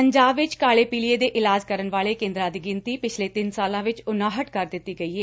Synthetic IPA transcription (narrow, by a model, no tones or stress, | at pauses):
pəɲd͡ʒaːbʋɪt͡ʃkaːɭeːpiːlieːd̪eːʔɪlaːd͡ʒkəɾənʋaːɭeːkẽːnd̪ɾãːd̪iːɡɪnt̪iːpɪt͡ʃʰleːt̪ɪnsaːlãːʋɪt͡ʃʊnãːɦəʈkəɾd̪ɪt̪ːiːɡəiːɦeː